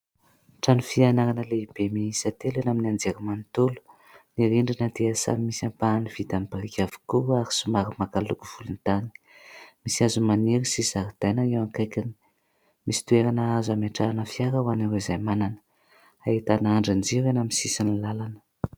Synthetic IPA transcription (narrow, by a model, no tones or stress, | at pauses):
ʈ͡ʂanufianaɾanəleib̥emiisət̪elenaminand͡zeɾimant̪ulu̥ | niɾiɳɖ͡ʐinəd̪easa̰mimisampaːniv̥it̪anibaɾikʲav̥i̥kuaɾisumaɾimakalukuv̥ulunt̪ani̥ | misiazumaniɾisizaɾid̪̥ajnaewaŋkajkʲani̥ | misi̥t̪ueɾanaazameʈ͡ʂaanəfiaɾəwaniwezajmananə̥ | ait̪anaɳɖ͡ʐand͡ʒiɾenamisisinilalanə̥